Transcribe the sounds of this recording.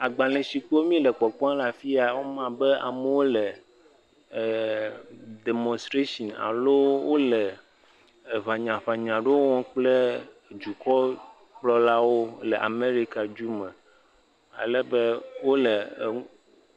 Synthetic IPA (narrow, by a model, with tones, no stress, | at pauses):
a˨ɡ͡ba˨lɛ̃˨si˨k͡po˦mĩ˦lɛ˨k͡pɔ˨k͡pɔ˦ã˦la˨fi˦a˨wo˦mã˦bɛ˦a̰˨mɛ˨wo˦lɛ˨ | de˨mɔ̃˨st̪ɾe˦ʃɔ˨na̰˨lo˦wo˦lɛ˨ | βa˨ɲã˨ɸa˨ɲã˨ɖe˦wwɔ̃˦k͡ple˦˨ | d͡ʒu˨kɔ˦ | k͡plɔ˦la˦wo˦lɛ˨ʔa̰˨me˦ɾi˦ka˨d͡ʒu˦mɛ̃˨ | a̰˨lɛ˦be˦wo˦lɛ˨